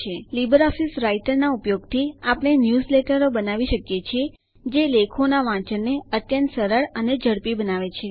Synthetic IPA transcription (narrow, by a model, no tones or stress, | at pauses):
elibəɾɔfisɾaiʈəɾnaupjoɡt̪ʰiapəɽ̃enjuzleʈəɾobənaʋiʃəkjet͡ʃʰie | d͡ʒelekʰonaʋãt͡ʃəɾneət̪jə̃nt̪səɾəɭəned͡ʒʱəɽpibənaʋet͡ʃʰe